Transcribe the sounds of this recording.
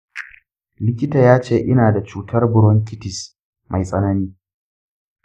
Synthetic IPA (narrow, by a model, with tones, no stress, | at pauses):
lɪ˦kʲɪ˦taː˨jaː˦t͡ʃeː˦˨ʔɪ˦naː˨da˨t͡ʃuː˦tʰɐ˦rbʊ˨ɽwɔ˦ŋkʲɪ˦tɪ˨s | mʔa˨jsʼɐ˦nɐ˦niː˦